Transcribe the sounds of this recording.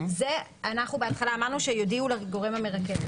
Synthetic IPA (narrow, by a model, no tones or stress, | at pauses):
zeanaχnubeat̪χalaːmaʁnuʃejodiulaɡo̞ʁemhame̞ʁakev